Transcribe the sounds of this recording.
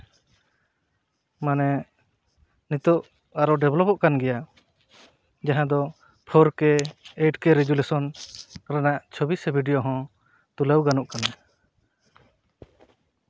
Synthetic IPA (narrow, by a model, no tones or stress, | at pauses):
manɛ | nit̪ɔʔ | aɾɔɖɛblɔpɔʔkanɡɛja | d͡ʒaɦãd̪ɔ | pʰɔɾkɛeʈkɛɾɛɡulesɔnɾɛnaʔt͡ʃʰobisbʱiɖijoɦɔ̃ | t̪uləwɡanuʔkana